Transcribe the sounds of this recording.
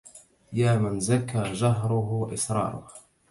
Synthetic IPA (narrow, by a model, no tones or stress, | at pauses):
jaːmɪnzakːaːd͡ʒaɦɾʊɦʊʔɪsɾˤɑ̰ːɾˤʊ̰h